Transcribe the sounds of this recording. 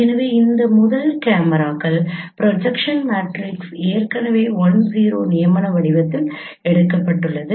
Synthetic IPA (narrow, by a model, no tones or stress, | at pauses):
ɛnɐʋeːɪnd̪ɐmʊðɐlkaːmɐɾaːɣɐɭpɾɔd͡ʒɐkʂɐnmaːʈɾɪkseːɾkɐnɐʋeːʋɔnsiːɾoːnɪjɐmɐnɐʋɐɽɪʋɐt̪ːɪl | ɛɽɯkːɐpːɐʈːɯɭːɐðɯ